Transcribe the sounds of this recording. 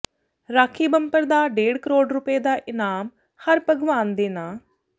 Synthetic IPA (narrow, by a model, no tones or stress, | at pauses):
ɾaːkʰiːbəmpəɾd̪aːɖeːɽkəɾoːɖɾʊpeːd̪aːʔɪnaːm | həɾpəɡʋaːnd̪eːnaː